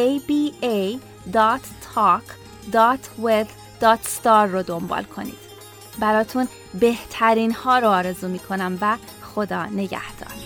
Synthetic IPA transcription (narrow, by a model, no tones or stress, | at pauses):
ejbiej | d̪ɒt̪ʰ | ɒkʰ | d̪ɒːt̪ʰwed̪ | d̪̥ɒːt̪ʰst̪ɒːɾːod̪ombɒ̰ːlkʰo̞̰nḭːd̪̥ | bæɾɒːt̪ʰun | be̞ht̪ʰæɾiːnhɒːɾoːɾezuːmiːkʰo̞næmvæ | xod̪ɒːne̞ɟæ̰hd̪̥ɒ̰ːɾ